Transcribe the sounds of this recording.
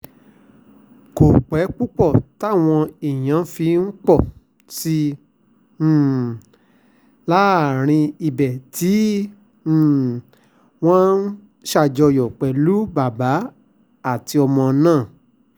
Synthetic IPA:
ko˨k͡pɛ˨˦k͡pu˦k͡pɔ˦˨ta˦˨w̃ɔ̃˧i˨j̃ã˨˦fi˧n̩˦k͡pɔ˦˨ | si˧˦˨ | la˦˨ɾ̃ĩ˧i˨bɛ˨tʰĩ˨˦˨ | w̃ɔ̃˦n˦ | ʃa˦˨d͡ʒɔ˧jɔ˨k͡pɛ˨˦lu˦ba˨ba˨˦ | a˦˨ti˧ɔ˧mɔ̃˧nãː˦˨

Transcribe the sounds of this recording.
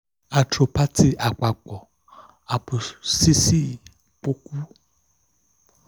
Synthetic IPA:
a˨tɾo˨pa˦tʰi˦ʔa˨k͡pa˨k͡pɔ˨ | a˨pu˨si˦si˦˨ | po˦ku˦

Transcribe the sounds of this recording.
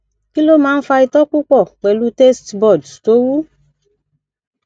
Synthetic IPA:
ki˦lo˦mãː˨˦n̩˦fa˧i˧t̪ɔ˦ku˦k͡pɔ˦˨k͡pɛ˨lu˦te˦stbɔ˨dto˦wu˦

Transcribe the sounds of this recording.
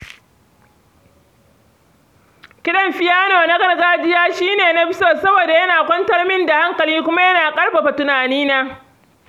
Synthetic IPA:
kʲɪ˦ɗɐ˦mɸɪ˦jaː˦noː˨na˦ɡɐ˨rɡaː˦d͡ʒɪ˦jaː˦ʃiː˦neː˨na˦ɸɪ˦soː˦sɐ˦boː˨da˨jɐ˦naː˨kʷɐ˦ntɐ˦rmɪ˦nda˨ha˦ŋkɐ˨liː˦kʷʊ˦ma˦jɐ˦naː˨kʼɐ˦rɸa˨ɸa˨tʊ˨naː˨niː˦naː˦

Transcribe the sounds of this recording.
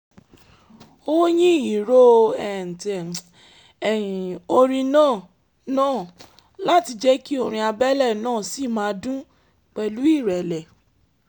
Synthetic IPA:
o˦jĩ˦i˨ɾo˦ɛ˨n̩˨tɛ˨ | ɛ˨ĩ˨o˧ɾ̃ĩ˧nãː˦˨ | nãː˦˨ | la˦ti˧d͡ʒɛ˦ki˦o˧ɾ̃ĩ˧a˧bɛ˦lɛ˦˨nãː˦˨si˦˨mãː˦dũ˦ | k͡pɛ˧lu˦i˦˨ɾɛ˨lɛ˨

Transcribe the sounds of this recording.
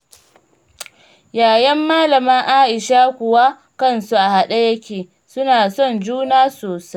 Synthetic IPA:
jaː˨jɐ˦mːaː˦lɐ˨mɐ˦ŋʔaː˦ʔɪ˨ʃa˦kʷʊ˨wa˦ | kɐ˦˨nsu˦ʔa˨ha˨ɗa˦jɐ˦kʲeː˨ | sʊ˦naː˨sɔ˦˨nd͡ʒuː˦naː˦soː˨sa˦

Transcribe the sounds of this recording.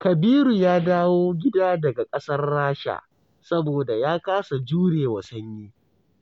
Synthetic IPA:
kɐ˨biː˦ɾu˨jaː˦daː˦woː˦ɡʲɪ˦daː˦dɐ˨ɡa˨kʼɐ˦sɐ˦rːaː˦ʃa̰˨ | sɐ˦boː˨da˨jaː˦kaː˦sa˨d͡ʒuː˦ɽeː˨wɐ˨sɐ˦ɲjiː˦

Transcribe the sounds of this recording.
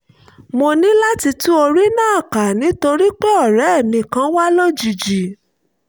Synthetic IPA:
mo˧nĩ˦la˦ti˧tũ˦o˧ɾi˦nãː˦˨ka˨nĩ˨˦to˧ɾi˦k͡pɛ˦ɔ˦˨ɾɛ˨˦˨mĩ˧˨kã˨˦wa˦lo˦d͡ʒi˨d͡ʒi˨

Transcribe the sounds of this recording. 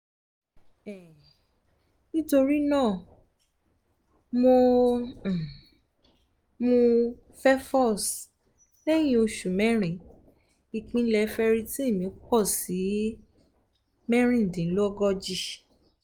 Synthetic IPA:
ɛ˨ | nĩ˦to˧ɾi˦nãː˦˨ | mo˧˨ | mõ˧ | fɛ˦fɔ˦˨s | lɛ˦j̃ĩ˦o˧ʃu˨mɛ̃˦ɾ̃ɛ̃˨ | i˧k͡pĩ˨˦lɛ˧fɛ˦ɾi˧ti˦e˦˨mĩ˨˦k͡pɔ˦˨si˨˦ | mɛ̃˦ɾ̃ĩ˦˨dĩ˨˦lo˦ɔ˦ɡɔ˦d͡ʒi˦

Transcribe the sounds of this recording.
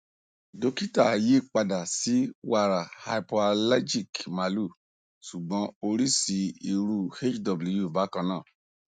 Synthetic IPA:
do˧ki˦ta˦˨je˦˨k͡pa˧da˨si˨˦wa˦˨ɾa˨ha˧i˨po˧a˧la˦d͡ʒi˦˨kma˨lu˦˨ | su˨ɡ͡bɔ̃˨˧˦o˧ɾi˦si˧˦i˧ɾu˧˨he˦t͡ʃdɔ˧bu˨lu˧ju˦˨ba˨˦kã˧nãː˦˨

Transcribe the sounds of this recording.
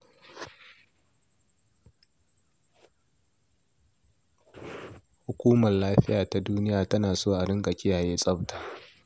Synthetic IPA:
h | hʊ˨kʷuː˦mɐ˨rlaː˦ɸɪ˦jaː˨ta˨duː˦nɪ˦jaː˨tɐ˦naː˨soː˦ʔa˨ɽɪ˦ŋkʼa˨kʲʼɪ˦jaː˨jeː˦sʼɐ˦bta˨ʔ

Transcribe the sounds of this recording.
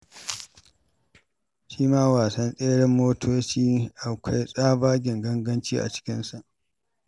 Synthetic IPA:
ʃiː˦maː˦waː˨sɐ˦nsʼeː˦ɽɪ˦mːoː˦tʰoː˦t͡ʃiː˦ʔa˨kʷʰa˦jsʼaː˦baː˦ɡʲɪ˨ŋɡɐ˦ŋɡɐ˦nt͡ʃiː˦ʔa̰˨t͡ʃɪ̥˦kʲɪ˦nsa˨ʔ

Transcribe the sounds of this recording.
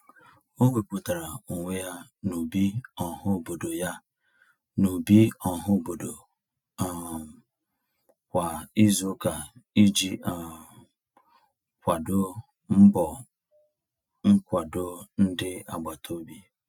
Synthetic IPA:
o˦ɡ͡be˨k͡pu˨ta˨ɾa˨u˨ŋʷe˦ja˦nu˨bi˦ɔ˨ɦʊ˦˨bo˨do˨ja˦ | nu˨bi˦ɔ˨ɦʊ˦˨bo˨do˨ | kʷa˨i˦zo˦ka˨i˦d͡ʒi˦a˨ | kʷa˨dʊ˦ | m̩˦bɔ˨ | ŋ̩˦kʷa˨dʊ˦n̩˦dɪ˦a̰˨ɡ͡ba˨tʰo˦bi˦

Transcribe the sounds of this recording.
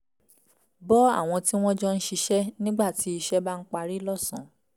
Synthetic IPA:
bɔ˦a̰˦˨w̃ɔ̃˧ti˦w̃ɔ̃˦d͡ʒɔ˦n̩˦ʃi˧ʃɛ˦nĩ˦ɡ͡ba˦˨ti˨˦i˧ʃɛ˦ba˦n̩˦k͡pa˦˧ɾi˦lɔ˦˨sɔ̃˨

